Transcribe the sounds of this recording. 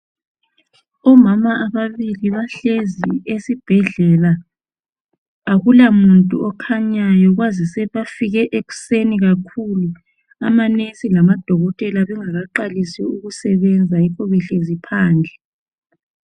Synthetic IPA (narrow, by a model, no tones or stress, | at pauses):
ɔmamaʔaβaβiliβaɬeziesib̥ʱɛɮɛla | ɣulamuntʼuɔkʰaɲajɔɣwazisɛβafiɣɛʔeɣu̥seniɣakʰulu | a̰manesilamad̥ʱɔɣɔtʼɛlaβɛŋaɣaǃalisɛuɣusɛβɛnd͡zʱaikʰɔβɛɬezipʰaːnd͡ɮʱɛ